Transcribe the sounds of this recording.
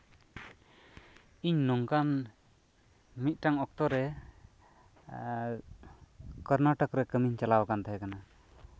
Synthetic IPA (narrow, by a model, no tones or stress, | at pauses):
iɲnɔŋkan | mit̪̚ˀʈaŋɔk̚t̪ɔɾɛ | kəɾnaʈəkɾɛkəmiɲt͡ʃalawakant̪aɦɛkana